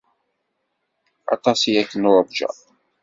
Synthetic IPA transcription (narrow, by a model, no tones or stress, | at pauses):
ɑ̰t̪ˤɑsijækːənʊɾˤvd͡ʒæ̰